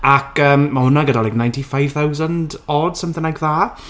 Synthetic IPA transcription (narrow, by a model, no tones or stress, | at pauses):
akʰəːmmahʊnaɡədalajknãjntifajv̥θawzəndɔd̥səmθɪ̃ŋajkðaː